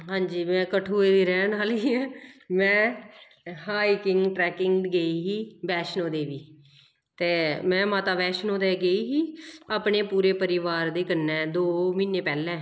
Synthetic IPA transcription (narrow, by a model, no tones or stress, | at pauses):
ɦãːɲd͡ʒiːmɛ̃ːkəʈʰoːeːd̪iːɾɛːnaːliːmɛ̃ː | ɦaːiːkɪŋɡʈɾɛːkɪŋɡɡəiːɦiːbɛːʃnõːd̪eːʋiː | t̪eːmɛ̃ːmãːt̪aːbɛːʃnoːd̪eːɡəiːɦiːaːpɳeːpuːɾeːpəɾɪʋaːɾd̪eːkənːɛːd̪oːmiːneːpɛːlɛ̃ː